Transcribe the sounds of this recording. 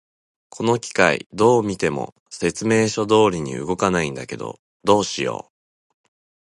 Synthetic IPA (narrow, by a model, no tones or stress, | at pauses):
kʰo̞no̞kʲi̥kaḭd̪o̞ːmʲit̪e̞mo̞̰ | se̞t͡sɨme̞ːɕo̞d̪o̞ːɾʲiɲ̟ḭɯ̟ɡo̞kanaĩnd̪ake̞d̪o̞̰ | d̪o̞ːɕijo̞̰ː